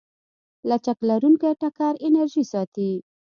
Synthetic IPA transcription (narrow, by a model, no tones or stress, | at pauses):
lat͡ʃaklaɾuŋkaʈakɑɾɪnaɾʒisɑt̪i